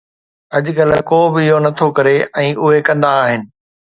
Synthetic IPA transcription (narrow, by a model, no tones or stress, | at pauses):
ɐʄʊɡɐləkoːbɪɪɦonɐt̪ʰokɐɾeɛ̃ːʔʊɦekɐ̃nd̪aːɦɪnɪ̆